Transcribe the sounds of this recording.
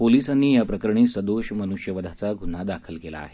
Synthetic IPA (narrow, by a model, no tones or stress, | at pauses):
poliːsanːiːjapɾəkəɾɳiːsəd̪oɕmənuɕjəʋəd̪ʱat͡saɡʱun̤ad̪akʰəlkela̰ːɦe